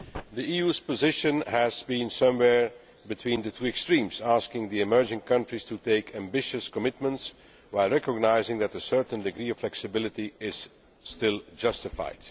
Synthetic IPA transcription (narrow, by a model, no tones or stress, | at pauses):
ðiijuːz̥pəzɪʃɨ̃nhæzbĩnsʌ̃mwɛɹ | bɨtʰwĩːnd̪ɨtʰuːɛkstɹ̥ĩːmz̥askɪ̃ŋðiɨmɜ˞d͡ʒɪ̃ŋkʰʌ̃ntɹ̥istuteɪkʰæ̃mbɪʃɨskəmɪt̚mə̃nts | waɪlˠɹɛkəɡ̚naɪzɪ̃ŋðætəsɜ˞tn̩dɨɡɹiːɔv̥flɛksɨbɪlˠɨtiɪz̥ | stɪlˠd͡ʒʌstɪfa̰ɪd̥